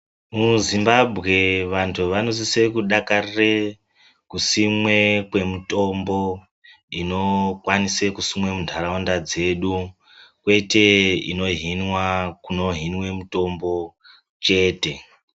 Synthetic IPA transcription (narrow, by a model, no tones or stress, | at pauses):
muzimbabʱɣe̞ʋantʰuʋano̞sisekuɗakarire | kusimwe̞kwe̞muto̞mbo̞ | ino̞kwanisekusimwemundʱaɾaondad͡ze̞ɗu | kwe̞te̞ḭno̞ɦinwakuno̞ɦinwe̞muto̞mbo̞ | t͡ʃe̞ːte̞